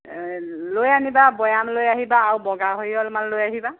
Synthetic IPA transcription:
lojanibabɔjamlojaɦibaːɹwbɔɡaɦojɔlmallojaɦiba

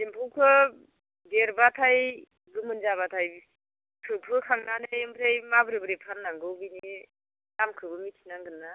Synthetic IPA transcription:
dimpʰowkʰɯ | beɾbatʰaj | ɡɯmɯnzaβatʰaj | kʰɯpʰɯkʰaŋnanejɯmpɾejmabɯɾɯbɯɾepʰanːaŋɡɯwbini | lamkʰɯbɯmikʰinaŋɡɯnːa

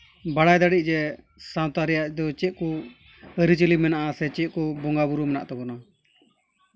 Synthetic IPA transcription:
baɽajd̪aɽiʔ̚ˀd͡ʒɛ | sawt̪aɾɛjaʔd̪ɔt͡ʃɛʔ̪̚kɔ | əɾit͡ʃəlimɛnaʔasɛt͡ʃɛt̪̚ˀkɔbɔŋɡabuɾumɛna̰ʔt̪ɔbɔna

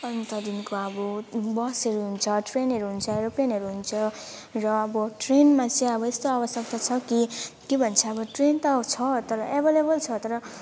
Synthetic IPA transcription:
ʌnt̪ʌd̪inkoʌbʌbʌseɾuɦunt͡sʰʌʈrenɦʌɾuɦunt͡sʰʌeɾopenɦʌɾuɦunt͡sʰʌrʌʌbʌʈrenmat͡sʰiʌbʌest̪oabʌsjʌkt̪ʌt͡sʰʌkikebʱʌnt͡sʰʌʌbʌʈrent̪ʌt͡sʰʌt̪ʌɾʌʔebʱelebʌlt͡sʰʌt̪ʌɾʌ

